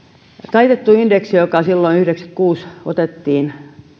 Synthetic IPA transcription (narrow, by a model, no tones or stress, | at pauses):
t̪ɑit̪et̪ːuindeksijokɑsilːoinyhɾeksæ̥kkuːsot̪et̪ːiːn